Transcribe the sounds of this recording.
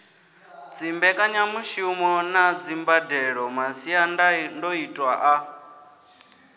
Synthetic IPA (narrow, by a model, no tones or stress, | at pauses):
d͡zimbɛkʼaɲamuʃumɔnad͡zimbadɛɺɔmasiandandɔitʼwa̰ʔa